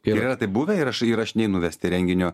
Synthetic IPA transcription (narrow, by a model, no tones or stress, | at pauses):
ɪɾiɾɐt̪ɐɪpbuːʋʲɛɪɾɐʃɪɾɐʃnʲɛɪnʊʋʲɛsʲt̪ʲɪɾʲɛŋʲɡʲɪnʲoː